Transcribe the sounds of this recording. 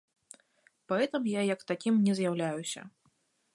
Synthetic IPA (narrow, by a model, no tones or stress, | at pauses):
paɣɛt̪ɐmjajɐkt̪akʲimnʲɛzʲjawlʲajusʲɐ̰